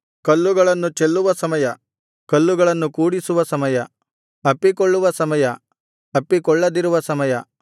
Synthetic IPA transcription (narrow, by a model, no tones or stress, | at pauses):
kɐlːuɡɐɭɐnːut͡ʃelːuʋɐsɐmɐjɐ | kɐlːuɡɐɭɐnːukuːɽisuʋɐsɐmɐjɐ | ɐpːikoɭːuʋɐsɐmɐjɐ | ɐpːikɔɭːɐd̪iɾuʋɐsɐmɐjɐ